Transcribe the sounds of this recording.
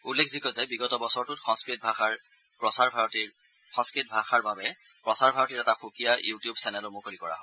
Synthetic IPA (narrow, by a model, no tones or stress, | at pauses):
ulːekʰzikɔzabiɡɔtɔbɔsɔɹtʊtxɔ̃skɹit̚bʱaxaɹ | pɹɔsaɹbʱaɹɔtiɹ | xɔ̃nskɹit̚bʱaxaɹbabɛ | pɹɔsaɹbʱaɹɔtiɹɛtaxukijajutijubsɛnɛlɔmokolikɔɹa̰ɦɔ̃